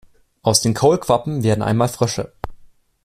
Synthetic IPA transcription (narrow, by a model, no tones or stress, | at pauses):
ʔaʊsd̥eːnkʰoʊlkʰv̥apm̩veːɐdn̩ʔa̰ɪnmaːlfʁ̥œʃə̰